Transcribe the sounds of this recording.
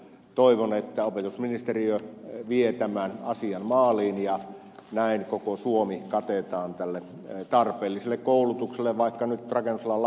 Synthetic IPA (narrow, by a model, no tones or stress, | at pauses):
t̪oiʋonet̪ːæopet̪usminist̪eriøʋiet̪æmænɑsiɑnmɑːliːnjɑ | næˑinkokosuomikɑt̪et̪ɑːnt̪ælːe | t̪ɑrpeːlːiselːekkoˑulut̪ukselːeʋʋɑˑikːɑnyt̪rɑkenːuselːɑl